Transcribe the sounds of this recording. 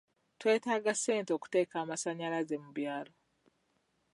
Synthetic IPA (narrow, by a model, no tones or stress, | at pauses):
twe̞ːtaːɡase̞ːnto̞ku̥te̞ːkaːmasaɲalazemuβjaːlo